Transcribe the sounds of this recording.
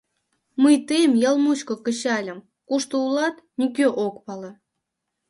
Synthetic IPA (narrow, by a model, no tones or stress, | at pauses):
məjt̪ejmjɑlˠmut͡ɕkŏkə̆ɕɑlʲə̆m | kuʃt̪oulɑt̪nʲik̬ʲøʔokpɑlˠɤ̆